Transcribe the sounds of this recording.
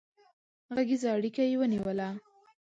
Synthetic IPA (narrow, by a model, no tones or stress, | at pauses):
ɣaɡizaːɽikajewəniwəla